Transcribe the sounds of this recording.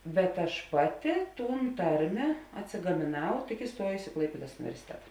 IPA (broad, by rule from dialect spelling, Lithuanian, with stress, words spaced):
bʲɛt ɐʃ ˈpɑːˌtʲɪ ˈtuːn ˈtɐrʲmʲeː ɐtʲsʲɪɡɐmʲeːˈnɐʊ tʲɪk ɪˈstuɔjʊsʲɪ ɪ ˈklˠɐɪpʲeːdɐs ʊnʲɪʋʲɛrʲsʲɪˈtʲæːtɐ